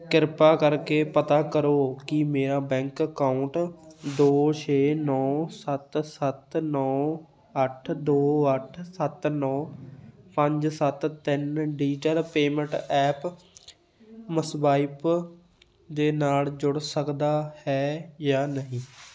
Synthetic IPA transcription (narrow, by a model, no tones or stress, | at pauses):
kɪɾpaːkəɾkeːpət̪aːkəɾoːkɪmeːɾaːbɛ̃ːŋkəkaːʊɳʈd̪oːt͡ʃʰeːnɔːsət̪sət̪nɔː | əʈʰd̪oːəʈʰsət̪nɔːpəɲd͡ʒsət̪t̪ɪnɖiːʈəlpeːmə̃ɳʈɛːp | məsbaːip | d̪eːnaːld͡ʒʊɽsəkd̪aːhɛːjaːnəɦĩː